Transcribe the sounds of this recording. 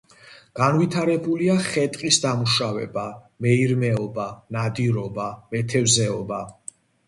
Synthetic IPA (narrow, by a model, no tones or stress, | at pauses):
ɡ̥anvit̪ʰaɾɛbuliaχɛt̪ʼqʼisd̪amuʃavɛ̰ba | mɛiɾmɛɔbanad̪iɾɔbamɛt̪ʰɛvzɛɔba